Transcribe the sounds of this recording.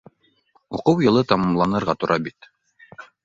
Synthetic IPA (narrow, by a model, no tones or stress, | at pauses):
ṵqɤwjɤ̆lˠɤt̪ɑmɑmlˠɑnɤ̆ɾʁɑt̪ŏɾʔɑbit̪